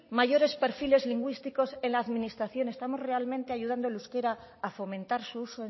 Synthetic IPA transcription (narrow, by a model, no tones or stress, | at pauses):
maʝo̞ɾe̞spe̞ɾfile̞zliŋɡwist̪iko̞senlaːðminist̪ɾaθjo̞nest̪amo̞zre̞almẽ̞nt̪e̞aʝuð̞and̪o̞luske̞ɾaː | fo̞mẽ̞nt̪aɾsuuso